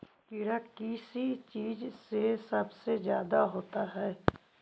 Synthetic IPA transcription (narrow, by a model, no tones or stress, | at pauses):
kiɽakisit͡ʃiːd͡ʒsesɐbsezjaːd̪aɦoːt̪aɦɛː